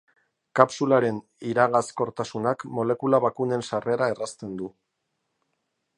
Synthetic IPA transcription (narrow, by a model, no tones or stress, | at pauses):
kapsulaɾe̞n | iɾaɣasko̞ɾt̪asunakmo̞le̞kulaβakune̞nsare̞ɾae̞rast̪e̞nd̪u